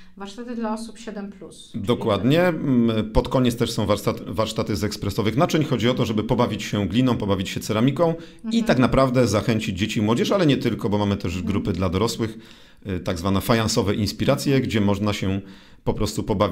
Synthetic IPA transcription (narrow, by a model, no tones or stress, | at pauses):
vaɾʂt̪at̪ɘd̪laɔsupɕɛd̪ɛmplusd̪ɔkwad̪ɲɛpɔt̪kɔɲɛt̪st̪ɛʂsɔ̃w̃vaɾt̪at̪vaɾʂt̪at̪ɘzɛkspɾɛsɔvɘxnat͡ʂɛɲxɔd͡ʑiɔt̪ɔʐɛbɘpɔbavʲit͡ɕɕɛɡlʲinɔ̃w̃pɔbavʲit͡ɕɕɛt̪sɛɾamʲikɔ̃w̃ | it̪aknapɾavd̪ɛzaxɛɲt͡ɕid͡ʑd͡ʑet͡ɕimwɔd͡ʑɛʐalɛɲɛt̪ɘlkɔbɔmamɘt̪ɛʐɡɾupɘd̪lad̪ɔɾɔswɘx | t̪aɡzvanɛfajnansɔvɛʔinspʲiɾat̪sʲjɛɡd͡ʑɛmɔʐnaɕɛ | pɔpɾɔst̪upɔbavʲ